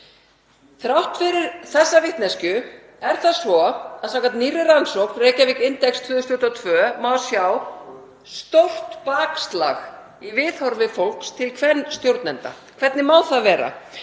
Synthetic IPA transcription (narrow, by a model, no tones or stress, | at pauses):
θɾawht̪fɪɾɪɾθɛsːavɪht̪nɛscʏ | ɛɾ̥θaðsvɔaðsak̪at̪niːrɪransowknreːjcavɪkɪnt̪ɛkst̪ʰvʏːðʏst̪ʏht̪ɔt̪ʰvœːmasjaw | st̪owl̥t̪paːkst̪la̰x | ivɪðhɔɾvɪfowl̥kst̪ʰɪlkʰvɛnst̪jowɾt̪nɛnt̪a̰ | kʰvɛt̪nɪmaːwθavɛːɾa̰